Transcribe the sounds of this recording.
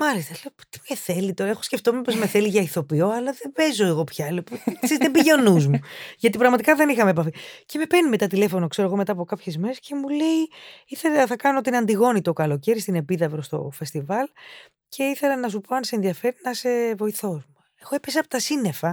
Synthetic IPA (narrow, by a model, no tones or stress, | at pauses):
mɐlist̪ɐleopo̥t̪i̥eθelit̪o̞ɾɐexo̞sce̞ft̪o̞mepo̞zmeθe̞liʝɐiθo̞pio̞ɐlɐðeve̞zo̞eɣo̞pçɐlopusizðebiʝe̞nuzmuʝɐt̪ipɾɐɣmɐt̪ikɐðe̞nixɐmepɐfice̞me̞penime̞t̪ɐt̪ile̞fo̞no̞kse̞ɾoɣo̞me̞t̪ɐːpo̞kɐpçe̞zme̞ɾesce̞mule̞iiθe̞lɐθɐkɐnoot̪inɐnd̪iɣo̞nit̪o̞kɐlo̞ce̞ɾist̪inepiðɐpɾost̪o̞̰fe̞st̪ivɐl | cʰe̞iθelɐnɐsupo̞ɐnseːnðiɐfe̞ɾinɐse̞vo̞iθo̞zmu | exoepesiɐpot̪ɐsine̞fɐ